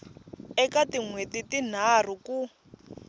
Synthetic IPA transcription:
ɛkatiŋwetitin̤ar̤uku

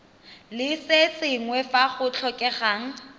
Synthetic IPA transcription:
lɪsesɪŋwɛfaχʊt͡ɬʰɔkʼɛχaːŋ̩

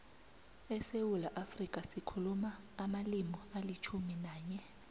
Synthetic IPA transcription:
ɛsewulaʔafrikʼasikʰulumaː | malimɔalit͡ʃʰuminaːɲɛ

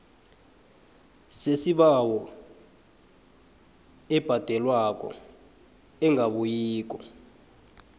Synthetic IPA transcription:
sesiɓawɔ | ɛb̥ʱad̥ʱɛlwak̬ʼɔ̰ | ɛŋɡʱaɓujiːk̬ʼɔ

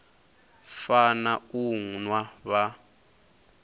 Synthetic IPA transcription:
fanauŋnwaβa

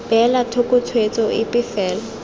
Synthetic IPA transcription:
b̥ɛlatʰokʼʊtʰwet͡sʼɔɪpʼɪfɛːlɔ

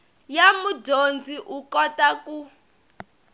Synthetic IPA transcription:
jamudond͡zʱiʔukɔtaku

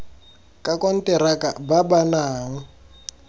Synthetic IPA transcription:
kʼakʼɔn̩tʼɛɾakʼa̰babanaːŋ̩

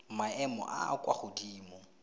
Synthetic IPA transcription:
maɛmɔ̰ʔa̰kwa̰χʊdiːmɔ

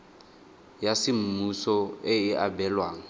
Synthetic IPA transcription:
jasɪm̩musɔɪɪʔabɛlwaːŋ̩

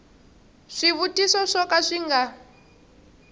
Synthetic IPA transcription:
ʂiβutisɔʂɔkaʂiŋɡa

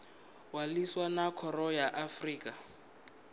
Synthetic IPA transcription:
waliswanakʰɔrɔjaʔafriːkʼa

